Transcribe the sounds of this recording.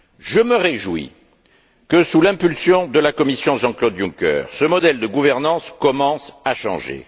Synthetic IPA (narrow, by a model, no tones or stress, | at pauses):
ʒəməʁeʒwḭ | kəsulɛ̃pylsjɔ̃d̪əlakɔmisjɔ̃ʒɑ̃klɔd̪jũkœ̰ʁsəmɔd̪ɛld̪əɡuvɛʁnɑ̃skɔmɑ̃saʃɑ̰̃ʒḛ